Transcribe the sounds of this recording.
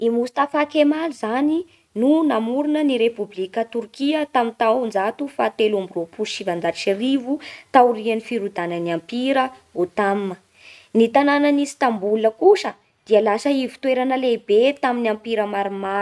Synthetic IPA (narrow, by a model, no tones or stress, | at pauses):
imust̪afakemalizani | nunamuɾunəniɾepublikət̪urkiət̪amint̪awnd͡zat̪ufat̪elumbiropuʃivand͡zat͡ʃirivut̪awrianifiɾud̪anəniampiɾəot̪amːə | nit̪anananist̪ambuləkuʃə | d̪̥iəlasəivi̥t̪weɾanəlebet̪aminampiɾəmaɾima